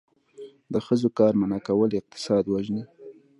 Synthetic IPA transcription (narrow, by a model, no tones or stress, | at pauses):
d̪əxəzokɑɾmanɑkawəlɪq̚t̪ɪ̥sɑd̪waʒni